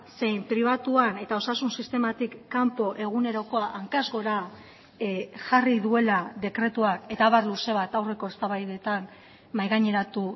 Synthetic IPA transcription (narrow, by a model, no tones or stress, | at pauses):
se̞jmpɾiβ̞at̪uane̞t̪ao̞sasunsist̪e̞mat̪ikːampo̞ʔe̞ɣ̞une̞ɾo̞ko̞aʔaŋkazɣo̞ɾa | ʝariðue̞laðe̞kɾe̞t̪uake̞t̪aβaɾluse̞β̞at̪awre̞ko̞e̞st̪aβajðe̞t̪an | majɣaɲe̞ɾat̪u